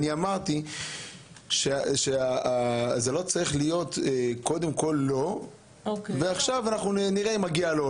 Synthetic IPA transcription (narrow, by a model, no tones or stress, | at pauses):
niamaʁt̪i | ʃeʃeaazelo̞t͡saʁiχlijo̞t̪eko̞d̪e̞mko̞lːo̞ | okveaχʃavanaχnuniʁeimaɡialo